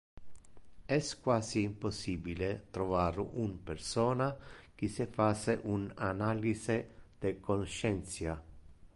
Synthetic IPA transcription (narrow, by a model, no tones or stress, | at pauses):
ɛskwaːziːmposːiːbilet̪ɾɔvaːɾumpersɔːnak̟isɪfaseʔunanaːlized̪̥ɪkonʃɛnt̪sja